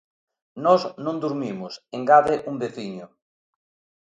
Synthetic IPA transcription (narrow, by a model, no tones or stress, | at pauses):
nɔznõnd̪uɾmimʊseŋɡaðɪʔumbeθiɲʊ